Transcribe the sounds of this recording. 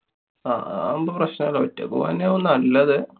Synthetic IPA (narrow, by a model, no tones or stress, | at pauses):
a̰ːɐmboːprɐɕnɐɐɭɐʋɐtːɐ̰kːṵɐnːeonːɐlːɐðɨ